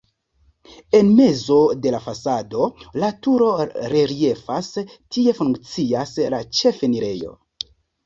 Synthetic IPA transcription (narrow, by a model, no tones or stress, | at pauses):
e̞nme̞zo̞de̞lafasado̞latuɾo̞ɾe̞ɾie̞fastʰie̞fuŋkt͡siaslat͡ʃe̞feniɾe̞jo̞̰